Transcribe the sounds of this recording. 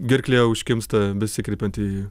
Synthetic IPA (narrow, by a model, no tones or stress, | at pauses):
ɡʲɪɾʲkʲlʲeːʊʃʲkʲɪmst̪ɐbʲɛsʲɪkɾʲeːpʲɛnt̪iː